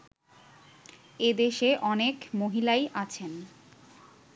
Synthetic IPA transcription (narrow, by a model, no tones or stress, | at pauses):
ed̪eʃeʔɔnekmoɦilajʔat͡ɕʰen